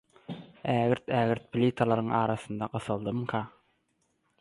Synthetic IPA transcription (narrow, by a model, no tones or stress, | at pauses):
æːɣiɾt̪ʰæːɣiɾt̪̚pʰlʲit̪ʰɑlˠɑɾɯŋɑːɾɑθɯnd̪ɑɢɯθɯlˠd̪ɯmkʰɑ